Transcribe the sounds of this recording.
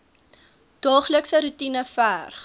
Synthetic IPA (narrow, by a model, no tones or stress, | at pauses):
d̥ɑːχləksəɾutinəfæːrχ